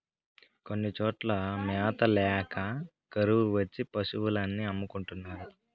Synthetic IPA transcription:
konːit͡ʃoːʈlɐmɛːt̪ɐlɛːkɐ | kɐɾuʋuʋɐt͡ʃːipɐsuʋulanːiɐmːukuɳʈunːaːɾu

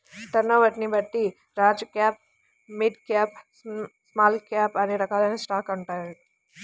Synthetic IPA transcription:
ʈ̪ɐnoʋɐʈnibɐʈ̪ːi | ɾaːd͡ʒkaːp̚ | mɪɖkɛːp | smaːlkaːpaneɾɐkaːlenesʈaːkːɐɳʈajlɖ

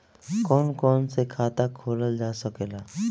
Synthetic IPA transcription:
kɔːnkɔːnsekʰaːt̪akʰoːləld͡ʒaːsəkelaː

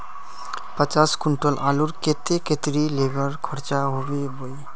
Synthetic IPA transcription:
pət͡ʃaskuɳʈɔlʔaluɾket̪eket̪ɾilebəɾkʰɔɾt͡ʃaɦobeboj

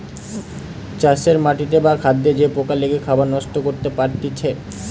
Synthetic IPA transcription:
t͡ɕaʃeɾmaʈit̪ebakʰad̪ːed͡ʑepokaleɡekʰabaɾnɔʃʈokoɾt̪epaɾt̪it͡ɕʰe

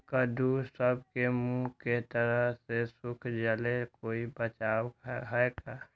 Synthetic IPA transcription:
kəd̪ʱusəb̚kemũket̪əɾəɦsesʊkʰd͡ʒəlekoːibət͡ʃaːwɦɛekaː

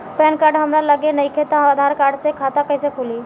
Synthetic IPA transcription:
pɛːnkaːɾɖɦəmɾaləɡenəikʰet̪aad̪ʱaːɾkaːɾɖsekʰaːt̪akəɪsekʰuliː

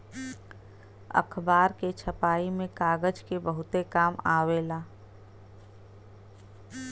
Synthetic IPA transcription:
ə̰kʰbaːɾket͡ʃʰəpaːimẽkaːɡəd͡ʒkebəɦʊt̪ekaːmaːweːlaː

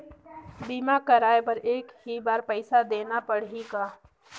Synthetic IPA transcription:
biːmakəɾaːepɐɾeːkɦibaːɾpəɪsad̪eːnapəɽikaː

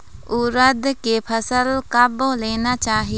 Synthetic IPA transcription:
ʊɾəd̪ʱkepʰəsəlkaboleːnat͡ʃaːɦi

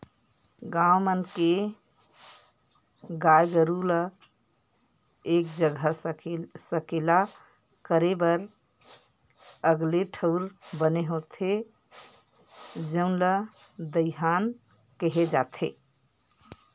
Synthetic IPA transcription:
ɡãwmənke | ɡajɡəɾulə | ek̚d͡ʒəɡʱəsesəkela | kəɾebəɾ | əɡleʈʰəʊɾbəneɦot̪ʰe | d͡ʒə̃nləd̪əɪɦan | kəɦed͡ʒat̪ʰḛ

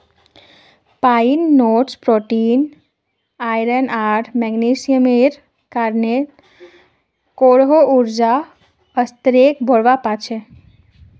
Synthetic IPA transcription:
painːoːʈspɾoʈin | ajɾənaɾʈʰmɛɡnesijəmeɾ | kaɾne | koɽɦouɾd͡ʒa | əst̪ɾek̚bʱɔɽʋapat͡ʃʰe

